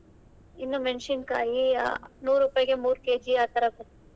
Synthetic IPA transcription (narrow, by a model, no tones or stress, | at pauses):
inːumeɳʂinka̰ːjinuːɾupaːjɡemuːɾkeːd͡ʒiaːt̪ɐɾɐbɐɾ